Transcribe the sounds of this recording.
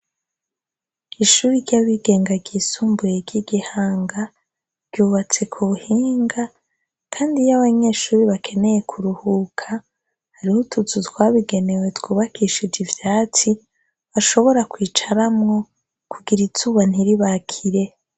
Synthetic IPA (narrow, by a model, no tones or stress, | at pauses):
iʃuːɾiɾɟaβiɡe̞ːŋɡaɡiːsuːmbujeɡiɡihaːŋɡa | βɟuːβat͡se̞kʰuβuhiːŋɡa | kʰaːndijaβaɲeːʃuːɾiβakʰe̞ne̞je̞kʰuɾuhukʰa | haɾihutut͡sutwaːβiɡe̞ne̞we̞twuːβakʰiʃid͡ʒivjaːt͡si | βaʃo̞βo̞ɾakwiːt͡ʃaɾamŋo̞ | kuɡiɾituːβan̥iɾiβakʰiɾe̞